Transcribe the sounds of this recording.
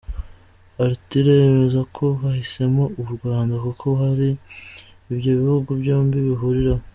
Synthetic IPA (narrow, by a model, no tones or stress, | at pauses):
aɾitiɾeemezakʰo̞βahise̞mouβuɾɡwaːndakukʰo̞haɾiː | bjo̞βihuɡubjoːmbiβiɦuɾiɾa